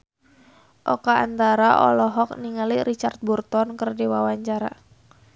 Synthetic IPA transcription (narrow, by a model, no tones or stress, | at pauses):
ʔɔka̰ːnt̪aɾaʔɔ̰lɔɦɔk̚niŋaliɾit͡ʃart̪̚burt̪ɔnkərdiwawaɲt͡ʃaɾa̰